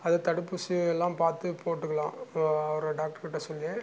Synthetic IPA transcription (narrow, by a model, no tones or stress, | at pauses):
ɐðɐt̪ɐɽɯpːusiɛlːãːmpaːɾt̪ɯpʰoːʈːɯkːɐɭãːɐʋɐɾɐɖaːk̚ʈɐɾkɪʈːɐsɔlːe